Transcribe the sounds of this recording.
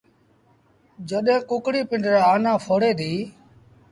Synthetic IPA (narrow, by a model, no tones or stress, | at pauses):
d͡ʒəɗẽːkʊkɽiːpɪɳɖɾaːaːnãːfʰoːɽeːd̪iː